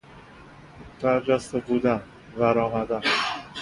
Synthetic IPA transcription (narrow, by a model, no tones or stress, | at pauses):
bæɾd͡ʒæst̪ebuːd̪æn | væɾɒːmæd̪æn